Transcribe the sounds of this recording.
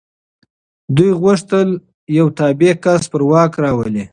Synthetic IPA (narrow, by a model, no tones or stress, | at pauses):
d̪ujɣwaʂt̪əl | jawt̪ɑbekaspəɾwɑkɾɑwəli